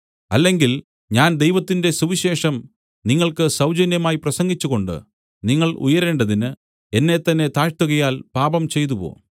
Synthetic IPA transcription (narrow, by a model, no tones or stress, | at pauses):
ɐlːe̞ŋɡil | ɲaːnd̪e̞jʋɐt̪ːinde̞suʋiɕe̞ːʂɐm | niŋːɐɭkɨsɐwd͡ʑɐnjɐmaːjiprɐsɐŋɡit͡ɕːuɣo̞ɳɖɨ̰ | niŋːɐɭṵjɐɾe̞ːɳɖɐðinɨ | e̞nːe̞t̪ːɐnːe̞t̪aːʂt̪uɣɐjaːlpaːbɐmt͡ɕe̞jt̪̬upo̞̰ː